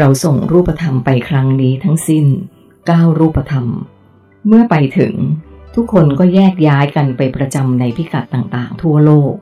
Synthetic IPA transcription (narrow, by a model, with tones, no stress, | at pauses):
ɾa˧wso˨˩ŋɾuː˥˩pːa˧t̪ʰa˧mpa˧jkʰɾa˦˥ŋniː˦˥t̪ʰa˦˥ŋsi˥˩n | kaː˥˩wɾuː˥˩pːa˧t̪ʰa˧m | mɯ˥˩ɐpa˧jt̪ʰɯ̰˩˦ŋt̪ʰu˦˥kʰːo˧nkɔː˥˩jɛː˥˩k̚jaː˦˥jka˧npa˧jpɾa˧t͡ɕa˧mna˧jpʰi˦˥ka˨˩t̪ːaː˨˩ŋt̪aː˨˩ŋt̪ʰu˥˩ɐloː˥˩k̚